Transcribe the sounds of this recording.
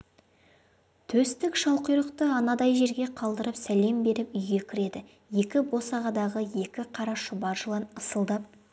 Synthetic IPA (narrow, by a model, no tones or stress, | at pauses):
t̪ʰɵst̪ɪkʃɑw̪ˠqijɾˠəqt̪əɑnɑd̪ɑjʒe̞ɾɡʲe̞qʰɑlˠd̪əɾəpsæle̞mbe̞ɾɪpʏjɡʲe̞kʲʰɪɾe̞d̪ɪ | je̞kʲɪbo̞sɑʁɑd̪ɑʁəje̞kʲɪqʰɑɾɑʃʊbɑʒəlˠɑnəsəlˠd̪əp̚